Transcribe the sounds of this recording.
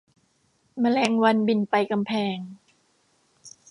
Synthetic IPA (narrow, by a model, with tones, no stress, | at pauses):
ma˧lɛː˧˩ŋwa˧nbi˨˩npa˧jka˧mpʰɛː˧ŋ